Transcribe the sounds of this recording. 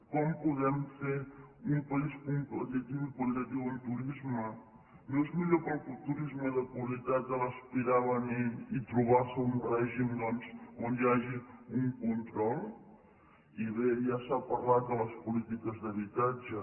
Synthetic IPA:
kɔmpuðɛmfeɾumpɐiskumplət̪it̪iwipəlit̪ɐt̪iwəlt̪uɾizmə | nozmiʎopəlˠt̪uɾizməðəpulit̪at̪̚dəlɐspiɾaβəniit̪ɾuβaɾsəunrɛʒimd̪ɔnsond̪aʒiuŋkunt̪ɾɔlˠ | iβejasapɐɾlat̪̚d̪ələspulit̪ikəzðəβit̪ad͡ʒə

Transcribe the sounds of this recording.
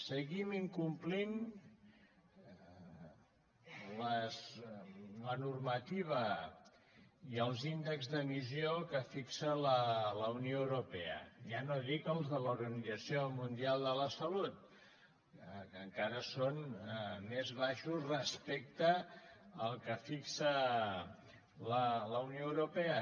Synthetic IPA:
səɣimiŋkumplin | ləs | lənurmət̪iβ̞ə | iəlˠzind̪əɡzðəmiziokəfiksələləunioəwɾupeə̰ʒanoðikəlˠzðəluɾɣənidd͡zəsiomund̪ialˠd̪ələsəlut̪̚ | kəŋkaɾəsonmezβaʃuzrəspɛk̚t̪əː | lˠkəfiksə | lələunioəwɾupɛə

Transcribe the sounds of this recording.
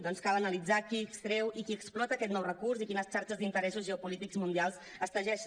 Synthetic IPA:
d̪ɔnskalənəlid͡zakiəkst̪ɾewikiəksplɔt̪əːkɛt̪nɔwrəkursikinəst͡ʃaɾt͡ʃəzd̪int̪əɾɛsuzʒəupulit̪ikzmund̪ialˠsəst̪əʒɛʃ

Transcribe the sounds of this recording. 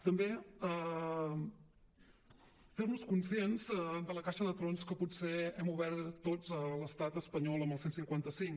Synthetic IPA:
t̪əmbeə | fernuskunsienzəd̪ələkaʃəðət̪ɾonskəputseɛmuβɛɾt̪ːod͡zələst̪at̪əspəɲɔlˠəməlˠsensiŋkwant̪əsiŋ

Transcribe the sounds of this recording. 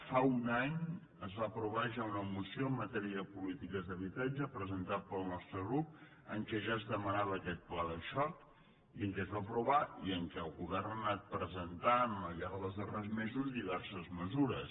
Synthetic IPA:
faunaɲ | əzβapɾuβaʒaunəmusioəmːət̪ɛɾiəðpulit̪ikəzðəβ̞it̪ad͡ʒəpɾəzənt̪at̪̚pəlˠnɔst̪ɾəɣɾup̚ | əŋkɛʒaəzðəmənaβəːkɛt̪̚plaðəʃɔk | iəŋkɛzβapɾuβ̞aiəŋkɛəlˠɣuβɛrnənat̪̚pɾəzənt̪aməʎaɾəðəzðərezmezuzðiβɛrsəzməzuɾəs

